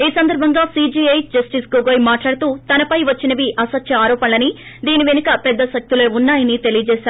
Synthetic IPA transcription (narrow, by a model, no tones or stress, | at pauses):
iːsɐnd̪ɐɾbʱɐŋɡaːsiːd͡ʒiɐjd͡ʒɐsʈisɡoɡoːjmaːʈlaːɽɐt̪uːt̪ɐnɐpɐjʋɐt͡ʃːinɐʋiʔɐsɐt̪jɐaːɾɔːpɐnlɐni | d̪iːniʋenɐkɐpɛd̪ːɐʃɐk̚t̪ileːunːaːjɐnit̪elijɐd͡ʒɛːʃaːɾu